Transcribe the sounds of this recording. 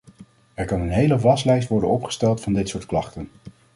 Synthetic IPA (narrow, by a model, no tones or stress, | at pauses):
ɛɹkɑnənɦejləʋɑslɛjstʋɔɹdə̰nɔpχə̥stɛlˠtfɑndɪtsʊːɹtklɑχtən